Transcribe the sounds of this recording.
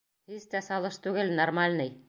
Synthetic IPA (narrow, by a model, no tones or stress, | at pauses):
hizt̪æsɑlˠɤʃt̪ʉɡɘlnormalʲnɤj